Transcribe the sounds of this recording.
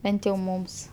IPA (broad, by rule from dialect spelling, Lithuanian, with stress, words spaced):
ˈbʲɛnt jɛʊ ˈmʊms